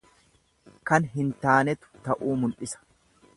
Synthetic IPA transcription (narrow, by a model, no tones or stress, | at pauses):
kɐnɦɪnt̪aːnɛt̪ʊ̥t̪ɐʔuːmʊlʔɪsɐ̥